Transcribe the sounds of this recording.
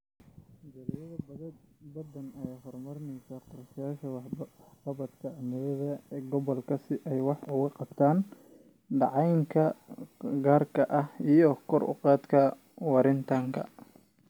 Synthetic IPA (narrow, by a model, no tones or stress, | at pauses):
d͡ʒɐljɐðɐ | bɐd̪ɐnɛjhɔrmɐrnɛjsɐqɔrʃɐjaːʃɐħbɐβɐd̪kʰɐnɛðɐɡɔβɔlkʰɐsɪʔɛjwɑħʊɣɐqɑb̚t̪ʰaːn | ɖɑʕɑjŋkʰɐ | ɡaːrkʰɐʔɐhijɔkʰɔrʊ̰qɑːd̪kʰɐ | wɑɾɪnt̪ʰɐŋkʰɐ̰